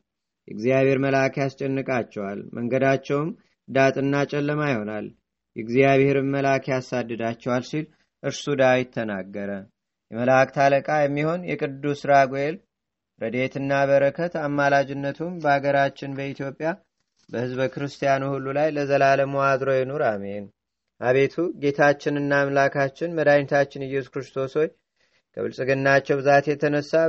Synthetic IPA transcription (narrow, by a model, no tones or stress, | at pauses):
jɛɡzijaβhe̞ɾməlakʰjast͡ʃʼɛnːɨkʼat͡ʃːɛwalməŋɡəd̪at͡ʃːɛwm | d̪at̪ʼɨnːat͡ʃʼɛlːəmajho̞nal | jɛɡzjaβhe̞ɾɨmməlakʰjasad̪ːɨd̪at͡ʃːɛwalsil | ʔɨɾsud̪ajɪt̪ʰːənaɡːəɾə | jɛməlakt̪ʰaləkʼajɛmːiho̞njɛ̰kʼɨd̪ːusɨɾaɡoel | ɾəd̪e̞t̪ɨnːaβəɾəkʰət̪amːalad͡ʒɪnːət̪ʰumbəaɡəɾat͡ʃːɪnbəit̪ʰjo̞pʼːja | bəhɨzbəkɨɾɨst̪ʰijanuhulːulajləzəlaləmuad̪ɾo̞jɛnoɾame̞n | ʔaβe̞t̪ʰuɡe̞t̪ʰat͡ʃːɪnɨnːaːmlakʰat͡ʃːɪnməd̪ajnt̪ʰat͡ʃːɪnɨjːɛsu̥kɾɨst̪ʰo̞so̞ɲ | kʰə̰βɨ̰lsʼɨɡɨnːat͡ʃːɛwbɨzat̪jɛt̪ʰənəsːa